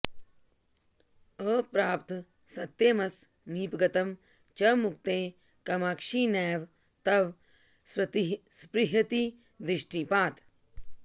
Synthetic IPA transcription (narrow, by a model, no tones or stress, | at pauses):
əːpɾaːpt̪ | sɐt̪ːeːmɐs | niːpɡɐt̪ɐm | t͡ʃɐmuk̚t̪ẽː | kɐmaːkʃiːnɛːʋ | t̪ɐʋ | sɐt̪ispɾiɦɐt̪i | d̪ɾiʂʈipaːt̪